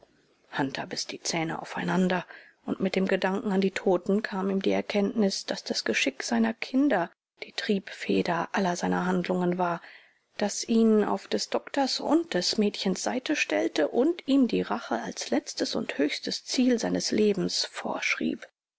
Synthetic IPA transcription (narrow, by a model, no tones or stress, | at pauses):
hantʰɐbɪsd̥iːt͡sɛːnə̰ʔa̰ʊfaɪnandɐ | ʔʊntmɪt̚d̥eːmɡədaŋkŋ̩andiːtʰoːtn̩kʰaːmiːmdiːɛɐkʰɛntnɪsd̥asd̥asɡ̥əʃɪkz̥aɪnɐkʰɪndɐ | d̥iːtʁ̥iːpfeːdɐʔalɐzaɪnɐɦandlʊŋənvaːɐ | d̥asʔiːna̰ʊfd̥ɛsd̥ɔktɐsʊ̰ntd̥ɛsmɛːtçənsz̥aɪtəʃtɛltəʔʊntiːmdiːʁaχəalslɛt͡stəsʊ̰nthøːçstəst͡siːlzaɪnəsleːbm̩sfo̰ːɐʃʁ̥ḭːp